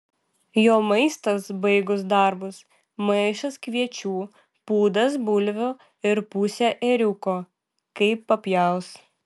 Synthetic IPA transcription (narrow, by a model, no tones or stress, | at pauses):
joːmɐɪst̪ɐsbɐɪɡʊs̬d̪ɐɾbʊs | mɐɪʃɐskʋʲiɛt͡ʃʲuː | puːd̪ɐs̬bʊlʲʋʲoː | ɪɾpʊsʲæʔeɾʲʊkoː | kɐɪpːɐpʲjɛʊs